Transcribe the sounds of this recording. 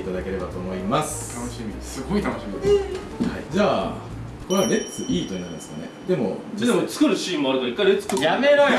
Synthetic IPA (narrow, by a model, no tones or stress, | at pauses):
it̪ad̪ake̞ɾe̞bat̪o̞ːmo̞imasɨ̥t̪ʰanoɕimʲisɨɡo̞it̪anoɕimioe | haid͡ʑaː | ko̞ɾeaɾe̞t͡sɨʔiːt̪oinaɯ̃d̪esɨ̥ka̰ne̞̰d̪e̞mo̞̰ed̪emot͡sɨ̥kɯɾɯ̟ɕĩːmːoaɾɯ̟kaɾaikːaiɾet͡sɨ̥kɯjame̞ɾa